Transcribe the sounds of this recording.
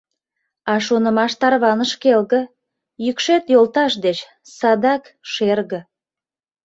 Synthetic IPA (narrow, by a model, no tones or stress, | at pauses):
ɑʃonə̆mɑʃt̪ɑrβɑnəʃkelɣə̆ | jykʃet̪jolt̪ɑʃd̪et͡ɕ | sɑd̪ɑkʃerɣə̆